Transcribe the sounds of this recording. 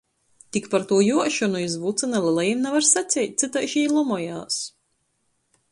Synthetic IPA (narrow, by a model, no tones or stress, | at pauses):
t̪ikpaɾt̪uɔjuɔʃɔnuizvut̪sɨnalˠɛlˠɛjimnɛvaɾsat̪sʲɛjt̪̚ʲt̪sɨt̪ajʃiːlˠumɔjaːs